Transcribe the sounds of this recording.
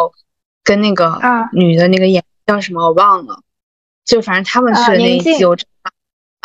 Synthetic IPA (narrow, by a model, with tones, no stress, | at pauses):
ʊ | kə˥nna˥˩ɡə˩ny˨˩d̪ə˦na˥˩ɡə˩jɛ˨˩˥t͡ɕjʊʂ̬ə˧˥mə˧jo˨˩wɑ˥˩ŋlə̰˩ | t͡ɕjo˥˩˧fa˨˩ʂə˧˥t̪ʰa˥mə˨nt͡ɕʰy˥˩˨na˥˩˥i˥jo˧˥ʊʈ͡ʂ